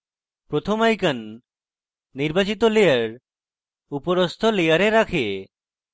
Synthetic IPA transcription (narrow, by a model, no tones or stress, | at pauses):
pɾot̪ʰomajkan | iɾbat͡ɕit̪olejaɾ | upoɾost̪ʰolejaɾeɾakʰe